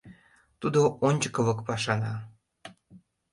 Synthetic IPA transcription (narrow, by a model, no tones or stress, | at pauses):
t̪ud̪oʔonʲt͡ɕəkəβɤ̆kpɑʃɑnɑ